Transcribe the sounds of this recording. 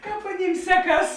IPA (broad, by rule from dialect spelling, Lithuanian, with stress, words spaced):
ˈkɑːp ɐˈnʲiːm ˈsʲæːˌkɐs